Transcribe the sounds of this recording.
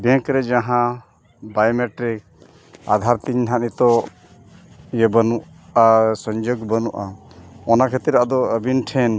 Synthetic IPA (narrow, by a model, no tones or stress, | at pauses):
bɛ̃ŋkɾɛd͡ʒaɦã | bajmɛʈɾik̚ | a̰d̪ʱaɾt̪iɲɦanit̪ɔ | jəbənuʔ | asɔɲd͡ʒɔɡbənuʔaɔnakʰət̪ɾiɾaʔad̪ɔəbinʈʰɛn